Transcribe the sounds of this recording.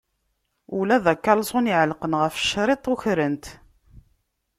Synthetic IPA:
ulæðækːælsˤoniʕəlqənʁəfə̥ʃːɾˤet̪ˤʊçɾənt̪

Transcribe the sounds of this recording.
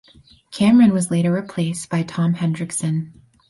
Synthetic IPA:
kʰæ̃mɹɨ̃nwʌzleɪɾə˞ɹɨpʰl̥eɪsb̥aɪtʰɑ̃mhɛ̃ndɹɨksɨ̃n

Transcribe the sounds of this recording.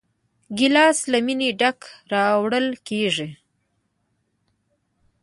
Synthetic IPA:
ɡɪlɑslamineɖakɾɑwɽəlkeʐi

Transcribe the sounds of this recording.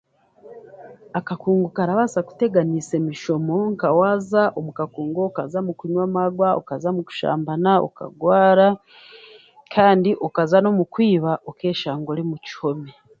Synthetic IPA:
akakuːŋɡokaɾaβasaku̥te̞ɡanise̞miʃo̞mo̞ŋkawaːzaʔomukakuːŋɡoːkazamukiɲwamaɡwao̰kazamuku̥ʃa̰ːmbanao̰ka̰ɡwaːɾa | kʰaːndiʔokazano̞mukwiːβaʔoke̞ːʃaːŋɡoɾimuci̥ho̞me

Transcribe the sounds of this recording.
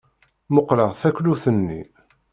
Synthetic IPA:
moqɾɑʁθækluθənːḭ

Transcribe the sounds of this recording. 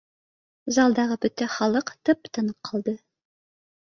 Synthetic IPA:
zɑlˠd̪ɑʁɤbɵt̪eχɑlˠɤqt̪ɤp̚t̪ɤ̆nəqʰːɑlˠd̪ɤ

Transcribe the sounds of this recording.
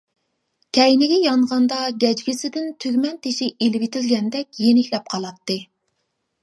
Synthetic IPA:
kʲʰɛjnɪɡʲɛjɑɴʁɑnd̪ɑɡʲɛd͡ʒɡʲɪsɪd̪ɪnt̪ʰyɡʲmɛnt̪ʰeʃiʔelɪwit̪ʰɪlɡʲɛnd̪ɛk̚ʲjenɪkʲlɛp̚qʰɑlˠɑt̪ːɨ

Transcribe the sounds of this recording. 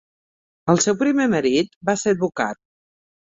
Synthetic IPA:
əlˠsɛwpɾimeməɾit̪baseɾβukat̪̚

